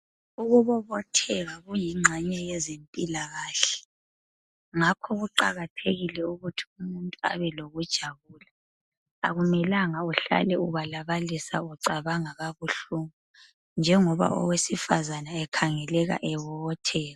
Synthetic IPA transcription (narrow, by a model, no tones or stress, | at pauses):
uɣuβɔβɔtʰɛɣaɣujiŋ͡ǁʱɛɲɛjɛzempʼilaɣaːɬɛ̥ | ŋakʰɔɣuǃaɣatʰeɣilɛuɣutʰi̥umuntʼua̰βɛloɣud̥ʒ̥ʱaβuːla | aɣumɛlaŋauɬa̰lɛuβalaβalisa̰uǀaβaŋaɣaβuɬuŋu | nd͡ʒʱɛŋɔβa̰ʔɔ̰wesifazanaɛkʰaŋɛlɛɣa̰ʔɛβɔβɔtʰɛːɣa